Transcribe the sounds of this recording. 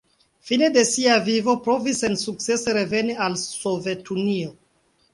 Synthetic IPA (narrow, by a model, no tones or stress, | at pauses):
fine̞de̞siavivo̞pɾo̞visensuk̚t͡se̞seɾe̞ve̞nialso̞ve̞tunio